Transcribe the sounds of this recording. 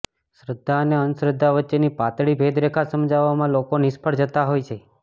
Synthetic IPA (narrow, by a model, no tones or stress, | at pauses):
sɾəd̪ʱːaəneənsɾəd̪ʱːaʋətːʃenipat̪ɭibʱed̪ɾekʰasəmd͡ʒaʋamãlokonɪspʰəɽd͡ʒət̪aɦojt͡ʃʰe